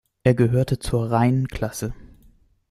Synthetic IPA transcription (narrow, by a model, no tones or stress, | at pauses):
ʔeːɐɡəɦøːɐtət͡suːɐʁaɪnənkʰl̥asə